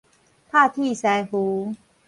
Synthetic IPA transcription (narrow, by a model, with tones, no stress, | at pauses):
pʰa˥˧t̪ʰi˥˧˨sa˨˧jhu˨˦